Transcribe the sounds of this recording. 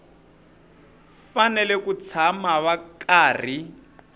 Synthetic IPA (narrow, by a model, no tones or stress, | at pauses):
fanɛlɛkut͡sʰamaβakaːr̤i